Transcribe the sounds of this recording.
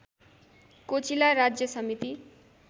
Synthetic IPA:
kot͡silaɾad͡zjʌsʌmit̪i

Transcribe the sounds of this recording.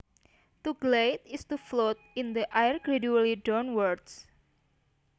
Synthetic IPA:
t̪uɡlejt̪ist̪uflot̪̚ind̪əʔajərɡɾeduəlidɔnwərds

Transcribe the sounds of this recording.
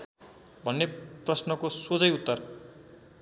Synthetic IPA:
bʱʌnːeprʌsnʌkosod͡zʌjut̪ːʌr

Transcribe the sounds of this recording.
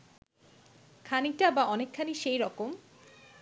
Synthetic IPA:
kʰaniʈabaʔɔnekʰːaniʃejɾɔkom

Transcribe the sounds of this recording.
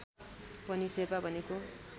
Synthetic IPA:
pʌnisebabʱʌneko

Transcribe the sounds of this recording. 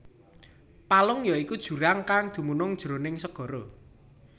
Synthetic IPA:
palʊŋjɔikud̥ʒ̥ṳɾaŋkaŋd̪̥ṳmunʊŋd̥ʒ̥ɾonɪŋsəɡ̥ɔ̤ɾo

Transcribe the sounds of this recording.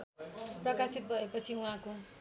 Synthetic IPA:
prʌkasit̪̚bʱʌepʌt͡sʰiũɦãko

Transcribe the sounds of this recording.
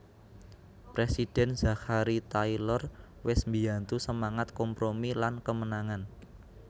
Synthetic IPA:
pɾesid̥ɛ̤nz̥a̤kaɾit̪ailɔr | wɪsmbi̤ant̪usəmaŋat̪̚kɔmpɾomilankəmənaŋan

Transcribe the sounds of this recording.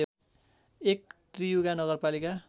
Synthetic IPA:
ek̚t̪rijuɡanʌɡʌrpalika

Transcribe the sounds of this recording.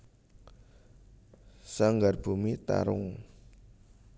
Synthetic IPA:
saŋɡarb̥umit̪a̰ɾʊ̰ŋ

